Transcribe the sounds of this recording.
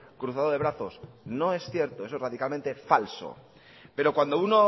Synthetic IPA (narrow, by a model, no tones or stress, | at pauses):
kɾuθaðoðeɾaθosno̞e̞sθjeɾt̪oe̞soeraðikalment̪e̞falso̰ | pe̞ɾo̞kwand̪ouno